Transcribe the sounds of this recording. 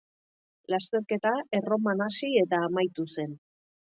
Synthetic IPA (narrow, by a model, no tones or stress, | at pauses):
last̪e̞ɾke̞t̪ae̞ro̞manasie̞t̪aːmajt̪use̞n